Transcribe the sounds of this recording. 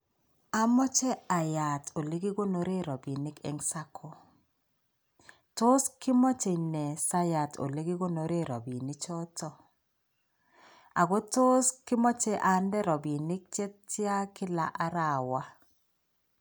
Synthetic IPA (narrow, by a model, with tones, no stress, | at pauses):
a˦mɔ˦t͡ʃɛ˦a˨ja˨tʰo˨le˦ɡi˦ɡo˦no˨ɾe˦ɾɔ˨bi˨nɪ˦kɛ̰˨ŋsa˦kʰo˨ | to˦skɪ˦mɔ˦t͡ʃe˨nɛ˨sa˦ja˨to̰˨le˦ɡi˦ɡo˦no˨ɾe˦ɾɔ̰˨bi˨nɪ˦t͡ʃɔ˦tɔ˦ | a̰˨ɡo˦to˦skɪ˦mɔ˦t͡ʃɛ˦ʔa˨ndɛ˦ɾɔ˨bi˨nɪ˦k̚t͡ʃɛ˦tɪ˦a˦kɪ˦la˨ʔa˦ɾa˨wa˦